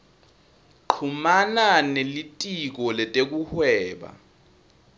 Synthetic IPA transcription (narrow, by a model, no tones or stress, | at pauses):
ǃʰumananelitʼik̬ɔlɛtʼek̬uhwɛːɓa̰